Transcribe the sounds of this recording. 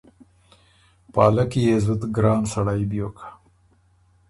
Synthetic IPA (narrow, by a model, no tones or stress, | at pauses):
pɑːlakijezut̪ɡɾɑːnsɐɽajbjoːkʰḁ